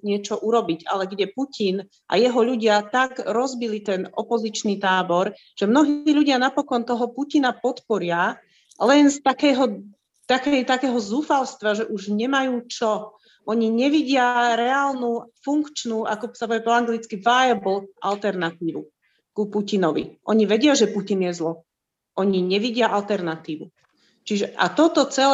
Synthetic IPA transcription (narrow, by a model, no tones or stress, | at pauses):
ɲɪɛt͡ʃɔʔuɾɔbiɟa̰lɛɡɟɛpucin | ʔa̰jɛɦɔʎuɟɪat̪aɡɾɔzbilit̪ɛnɔpɔzit͡ʃnit̪aːbɔɾ | ʒ̥ɛmnɔɦiːʎuɟɪanapɔkɔnt̪ɔɦɔpucinapɔt̪pɔɾɪa | lɛnst̪akɛɦɔ | t̪akɛjt̪akɛːɦɔzuːfalst̪ʋaʒɛʔuʒɲɛmajuːt͡ʃɔ | ʔɔɲiɲɛʋiɟɪaɾɛaːlnufuŋkt͡ʃnuʔa̰kɔsapɔɛpɔaŋɡlit͡skiʋaːjabl̩ʔa̰lt̪ɛɾnat̪iːʋu | kupucinɔʋḭʔɔɲiʋɛɟɪaʒɛpucinjɛzlɔ | ʔɔɲiɲɛʋiɟɪaʔalt̪ɛɾnat̪iːʋu | t͡ʃiʒɛʔa̰t̪ɔt̪ɔt͡sɛl